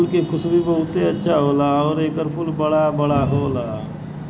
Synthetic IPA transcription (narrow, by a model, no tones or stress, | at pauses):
lkekʰʊsbʱibəɦʊt̪eətːʃʰaɦoːlaɔːɾeːkəɾpʰʊlbəɽabəɽaɦoːlaː